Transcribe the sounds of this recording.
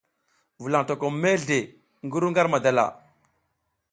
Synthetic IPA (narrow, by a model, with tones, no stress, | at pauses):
vu˨la˨ŋto˨ko˨me˦ɮe˨ | ŋɡə˦ɾu˦ŋɡa˦ɾma˨da˨la̰˨